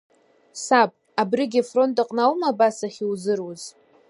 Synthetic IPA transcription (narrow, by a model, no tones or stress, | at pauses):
sapʼ | abrɪɡʲɪfro̞ntʼaqʼnawmabasaχʲiwzɨrwuz